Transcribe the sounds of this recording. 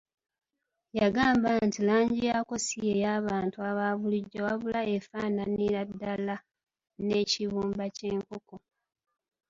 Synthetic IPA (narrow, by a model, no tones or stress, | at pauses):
jaɡaːmbantilaːɲɟijako̞sijejaːβaːntuaβaːβuliɟːawaβulaefaːnaniɾadːala | ne̞ciβuːmbace̞ːŋkoko